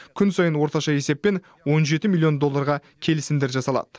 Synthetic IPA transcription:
kʲʰʏnsɑjənwo̞ɾt̪ɑʃɑe̞se̞pːe̞n | wo̞nʒe̞t̪ɪmilʲːijo̞nd̪o̞lˠːɑɾʁɑ | kʲʰe̞lɪsɪnd̪e̞ɾʒɑsɑlˠɑ̰d̪̥ə

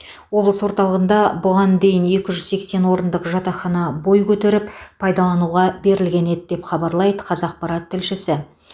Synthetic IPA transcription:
wo̞blˠəswo̞ɾt̪ɑlˠəʁənd̪ɑbʊʁɑnd̪e̞jɪne̞kʲɪʒʏzse̞kse̞nwo̞ɾənd̪əqʒɑt̪ɑχɑnɑbo̞jkʲʰɵt̪e̞ɾɪpʰɑjd̪ɑlˠɑnuʁɑbe̞ɾɪlɡʲe̞ne̞d̪d̪e̞pχɑbɑɾlˠɑjd̪əqʰɑzɑq̚pɑɾɑt̪ʰːɪlʃɪsɪ

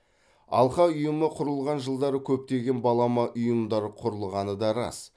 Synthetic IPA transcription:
ɑ̰lˠχɑʊjəməqʰʊɾəlˠʁɑnʒəlˠd̪ɑɾəkʲʰɵp̚t̪e̞ɡʲe̞nbɑlˠɑmɑʔʊjəmd̪ɑɾəqʰʊɾəlˠʁɑnəd̪ɑɾɑ̰s

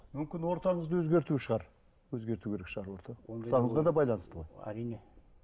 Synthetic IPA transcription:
mʏmkʲɪnwo̞ɾt̪ɑɴəzd̪əwɵzɡʲe̞ɾt̪uʃəʁɑɾ | wɵzɡʲe̞ɾt̪ukʲe̞ɾe̞kʃəʁɑɾwoɾt̪ɑwot̪ɑɴəzʁɑd̪ɑbɑjlˠɑnəst̪əʁo̞jæ̰ɾin

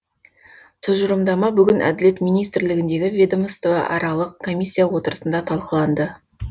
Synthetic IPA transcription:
t̪ʰɪzʒʊɾəmd̪ɑmɑbʏɡʲɪnʔæ̰d̪ɪle̞t̪mijnijst̪ɪɾlɪɡʲɪnd̪e̞ɡʲɪvʲed̪omst̪ovɑ̰ʔɑ̰ɾɑlˠəq̚kʰo̞mʲijsʲːijawo̞t̪əɾəsənd̪ɑt̪ʰɑlˠqəlˠɑnd̪ə

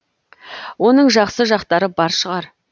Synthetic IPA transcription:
wo̞nəɴʒɑqsəʒɑqt̪ɑɾəbɑɾʃəʁɑɾ

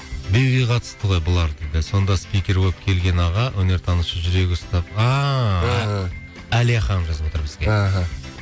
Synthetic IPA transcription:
bebijqʰɑt̪ə̥st̪əʁo̞jbolˠɑɾd̪ed̪ɪso̞nd̪ɑspijkʲe̞ɾwop̚kʲʰe̞lɡʲe̞nɑʁɑwʔɵne̞ɾt̪ʰɑnəʃəʒʏɾe̞ɡʲɪʊst̪ɑp̚ɑ | æliɑχɑnəmʒɑzəpwot̪əɾbɪzɡʲeɦa

